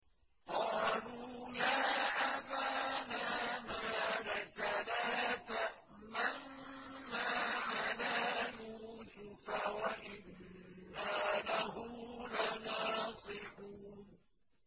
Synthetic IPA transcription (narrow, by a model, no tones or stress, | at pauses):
qɑːluːjaːʔabaːnaːmaːðakanaːt̪a | manː | aːʕanaːjuːsʊfawaʔɪnː | aːlaɦʊmlanɑːsˤɨħuːn